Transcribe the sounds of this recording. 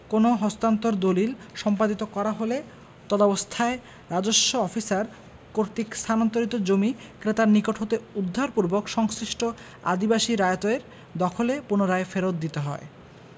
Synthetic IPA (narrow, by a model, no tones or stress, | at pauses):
konoɦɔst̪ant̪oɾd̪olilʃɔmpad̪it̪okɔɾaɦole | t̪ɔd̪abost̪ʰae | ɾad͡ʑoʃːoɔfisaɾ | koɾt̪ikst̪ʰanɔnt̪oɾit̪od͡ʑomikɾet̪aɾnikoʈɦot̪eud̪ʱːaɾpuɾbokʃɔŋsɾiʃʈo | a̰d̪ibaʃiɾajt̪oeɾ | d̪ɔkʰolepunoɾaefeɾot̪̚d̪it̪eɦɔ̰e